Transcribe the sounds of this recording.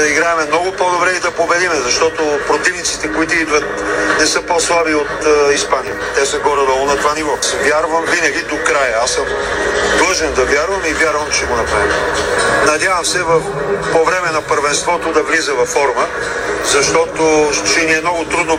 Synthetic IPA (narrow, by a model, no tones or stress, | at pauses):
ɐiɡɾaɛmɛmnɔɡʊpod̪obɾɛid̪ɐpobɛd̪imɛzɐʃt̪ɔt̪opɾot̪ivnit̪si̥t̪ɛkoit̪oid̪vət̪̚nɛsɤposlˠabiot̪ispanijɐt̪ɛsəɡɔɾɛd̪ɔlˠonɐt̪ovanivovjaɾvəmvinɐɡʲid̪okɾajəasəm | d̪lˠɤʒɛnd̪ɐvʲjaɾvɐmivʲjaɾvɐmt͡ʃɛɡonɐpɾavimnɐd̪ʲjavɐmsɛvɐf | povɾɛmɛnɐpəɾvɛnst̪vɔt̪od̪ɐvlizəvɐfːɔɾmə | zɐʃt̪ɔt̪ot͡ʃɛniɛmnɔɡʊt̪ɾud̪no